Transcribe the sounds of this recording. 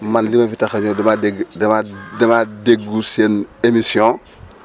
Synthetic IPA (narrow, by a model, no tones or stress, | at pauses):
manlimɐfitaxaɲodɐmadeɡdɐmadɐmadeɡusenemisijõ